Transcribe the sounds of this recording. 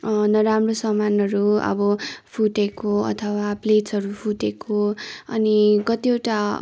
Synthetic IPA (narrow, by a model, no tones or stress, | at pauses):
nʌɾamrosʌmanʌɾuʌ̰bʌpʰuʈekoʌ̰t̪ʰʌwaplet͡sʌɾupʰuʈekʰoʌ̰niɡʌt̪iewʈa